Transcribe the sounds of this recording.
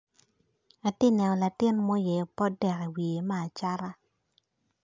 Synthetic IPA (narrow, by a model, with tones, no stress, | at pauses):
a˨tɪ˦nɛ˨ɔ˨la˨tɪ˦nmɔ˦jɛ˨o˨pɔ˦dɛ˨kɛ˨wi˨e˨ma˦a˨t͡ʃa˦ɾa˦